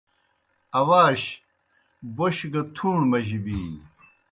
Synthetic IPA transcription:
ɐwaːɕ | boɕɡɐt̪ʰuːɳmɐʑibiːn

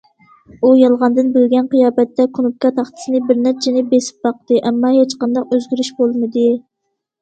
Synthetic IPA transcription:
ujɑlˠʁɑnd̪ɨnbɪlɡʲɛnqijɑːbɛt̪ːɛkʰunup̚kɑt̪ʰɑχt̪ʰɨ̥sɨnɨbɪɾnæɾt͡ʃʰɛnɪbesɪ̥p̚bɑq̚t̪ɨʔɛmːɑhet͡ʃqɑnd̪ɑqøzɡʲyɾyʃbolˠmɨd̪ɨ

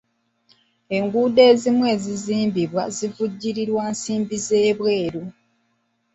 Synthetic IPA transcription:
e̞ŋɡuːde̞ːzimwe̞ːziziːmbiβwazivuɟːiɾiɾwaːnsiːmbizeːβwe̞ːɾu

